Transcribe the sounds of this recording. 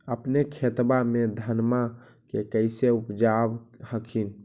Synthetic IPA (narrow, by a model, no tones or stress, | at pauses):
əpnekʰet̪bamed̪ʱənma | kekəɪseupd͡ʒabhəkʰin